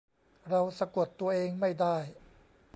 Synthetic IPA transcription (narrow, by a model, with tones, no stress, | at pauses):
ɾa˧wsa˧ku˨˩ət̪ːu˧ɐʔeː˧ŋma˥˩jdaː˥˩j